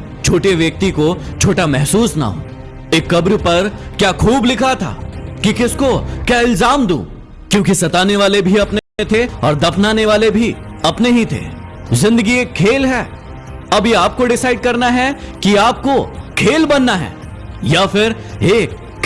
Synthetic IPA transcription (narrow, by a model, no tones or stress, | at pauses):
t͡ʃʰoːʈeʋjɐk̚t̪ikot͡ʃʰoːʈamɛɦsuːsna̰ɦo̰ː | eːkːɐbɾpɐɾ | kjaːkʰuːblɪkʰat̪ʰa̰ːkikɪskokjaːɪlzaːmd̪ṵ̃ː | kjõːkisɐt̪aːneʋaːlebʱiɐpneẽt̪ʰeɔːɾd̪ɐpʰnaːneʋaːlebʱi | ɐpneɦit̪ʰḛː | zɪ̃nd̪əɡieːkʰːeːlɦɛː | ɐbjeaːp̚koɖɪsaːɪɖ̚kɐɾnaɦɛkiaːp̚kokʰeːlbɐnːaɦɛ̰ː | jafɪɾ | eːk